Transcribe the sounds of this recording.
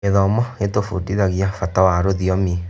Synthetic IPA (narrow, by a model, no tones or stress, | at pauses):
eðɔmɔetofudiðaɣjafatawaɾoðiɔmi